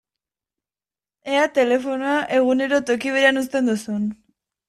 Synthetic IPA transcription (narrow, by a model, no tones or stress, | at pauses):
e̞at̪e̞le̞fo̞noaʔe̞ɣ̞une̞ɾo̞t̪o̞kiβeɾeanus̬t̪e̞nd̪usun